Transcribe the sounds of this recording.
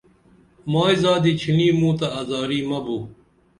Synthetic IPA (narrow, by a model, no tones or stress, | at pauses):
maːizaːd̪iːt͡ɕʰiniːmũːt̪ɐːzaːɾiːmɐbuː